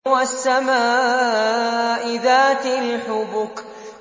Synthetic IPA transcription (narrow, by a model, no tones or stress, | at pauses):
wasːamaː | ʔɪðaːt̪ɪlħʊbʊk